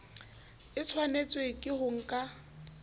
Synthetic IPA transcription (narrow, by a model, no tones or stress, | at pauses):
ɪt͡sʰwanet͡sʼwekʼɪhʊŋ̩kʼa